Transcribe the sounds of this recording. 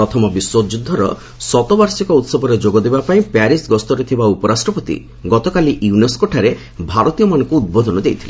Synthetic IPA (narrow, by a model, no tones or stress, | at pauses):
ɾɔt̪ʰɔmɔbiswod͡ʒud̪ʱːɔɾɔ̰ | sɔt̪ɔbaɾsikɔut̪sɔbʱɔɾed͡ʒoɡɔd̪ebapaĩpaɾisɡɔst̪ɔɾet̪ʰibaupɔɾasʈɾɔpɔt̪ḭ | ɡɔt̪ɔkaliʔiuneskoʈʰaɾe | bʱaɾɔt̪ijɔmanɔŋkuːd̪̚bɔd̪ɔnɔd̪ejt̪ʰile